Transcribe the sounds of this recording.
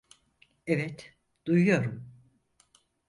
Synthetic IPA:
ɛvɛt̪ | d̪̥ujujo̞ɾum

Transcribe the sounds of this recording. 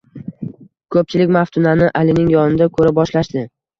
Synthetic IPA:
kʰɵp̚t͡ʃʰɪlɪkʲmaft̪ʰʊnanɪʔalɪnɪŋjɒnɪd̪akʰɵɾɪp̚bɒʃlaʃd̪ɪ

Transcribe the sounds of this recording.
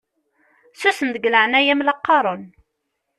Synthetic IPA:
susənd̪əɡləʕnæjæmlɑqːɑɾˤon

